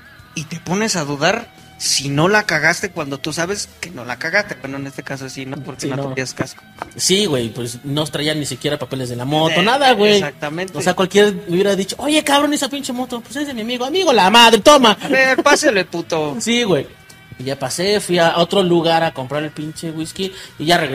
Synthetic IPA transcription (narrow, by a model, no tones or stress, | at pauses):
it̪e̞po̞ne̞saðuðaɾ | sino̞lakaɣast̪ekwand̪o̞t̪usaβe̞skeno̞lakaɣast̪ewenoene̞st̪e̞kasosinopoɾkenonoeiaskaso̥ | siɣwe̞jpwesno̞set̪ɾaianːisikje̞ɾapapele̞zðe̞lamo̞t̪o̞naðaɣwesjak̚t̪amentosakwalkjeɾauβjeɾaðit͡ʃo̞oʝe̞kaβɾonesapint͡ʃemo̞t̪opwesezðemiamiɣoamiɣolamaðɾet̪o̞maβeɾpaseleput̪osiɣwej | iʝapase̞fwiao̞t̪ɾo̞luɣaɾako̞mpɾaɾelpint͡ʃeɣwiskiːʝareɣ